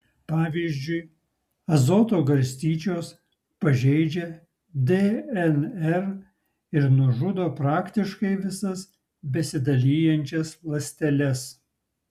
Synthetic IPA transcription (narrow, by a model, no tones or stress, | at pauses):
pɑːʋʲiːzʲd͡ʒʲʊɪ | ɐzoːt̪oːɡɐɾʲsʲt̪ʲiːt͡ʃʲoːs | pɐʒʲɛɪd͡ʒʲɛ | d̪eɛnɛɾ | ɪɾnʊʒʊd̪oːpɾɑːkt̪ʲɪʃkɐɪʋʲɪsɐs | bʲɛsʲɪd̪ɐlʲiːjɛnʲt͡ʃʲɛslˠɐsʲt̪ʲɛlʲɛs